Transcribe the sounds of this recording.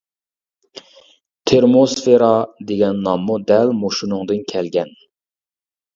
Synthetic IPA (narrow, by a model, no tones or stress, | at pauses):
t̪ʰeɾmosfeɾɑd̪eɡʲɛnːɑmːud̪ɛlmoʃunʊŋd̪ɨnkʲʰɛlɡʲɛn